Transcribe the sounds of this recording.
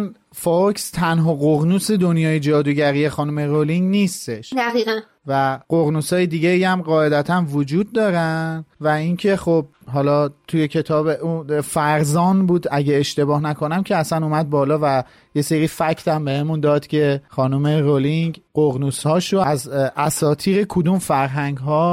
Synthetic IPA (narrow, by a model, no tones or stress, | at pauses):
n | foɾkst̪ʰænɦɒːɣoɣnuːsed̪onjɒːjed͡ʒɒːd̪uːɟæɾije̞xɒːnume̞ɾoliŋɟniːst̪e̞ʃd̪æɣiːɣæn | væɢoɣnuːsɒːjed̪iːɟeiæmɢɒːe̞d̪æt̪ʰænvod͡ʒuːd̪̚ːɒːɾænd̪væincʰe̞χob̚ɦɒːlɒːt̪ʰuje̞cʰe̞t̪ʰɒːbeʔufæɾzɒːnbuːd̪æɟeːʃt̪e̞bɒːhnækʰo̞næmcʰe̞æsænuːmæd̪̚bɒːlɒːvæ | je̞seɾiːfæcʰt̪ʰæmbe̞hemund̪ɒːd̪̥cʰe̞χɒːnume̞ɾoliŋɡɢoɣnuːshɒːʃoæzæsɒːt̪ʰiːɣekʰod̪umfæɾɦæŋɡɦɒː